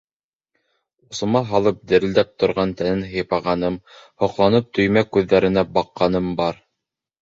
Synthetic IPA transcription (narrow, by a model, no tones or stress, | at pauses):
ŏsɤ̆mɑɦɑlˠɤp̚d̪ɘ̆ɾɘ̆ld̪æp̚t̪ŏɾʁɑnt̪ænɘnɦɤ̆jpɑʁɑnɤmhŏqlˠɑnɤp̚t̪ʰɵ̆jmækʉðːæɾɘ̆næbɑqːɑnɤmbɑɾ